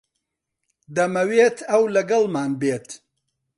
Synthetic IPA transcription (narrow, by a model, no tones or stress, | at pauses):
d̪ɐmɐweːt̪ʰɐwlɐɡɐlˠmaːnbeːt̪